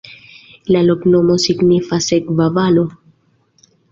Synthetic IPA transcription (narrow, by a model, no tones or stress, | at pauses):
laloknomo̞siɡnifasekvavalo̞